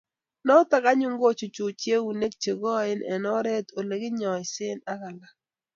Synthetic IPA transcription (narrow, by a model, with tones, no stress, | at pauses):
nɔ˦ta˦ka˦ɲʊ˦ŋɡo˦t͡ʃu˨t͡ʃu˨t͡ʃje˦wu˨ne˦k̚t͡ʃe˨ɡɔ˦ɪ˦nʔɛ̰˨nɔ˦ɾɛ˦to˨le˨ɡɪ˦ɲɔ˨ɪ˨sɪ˦na˦ka˨la˦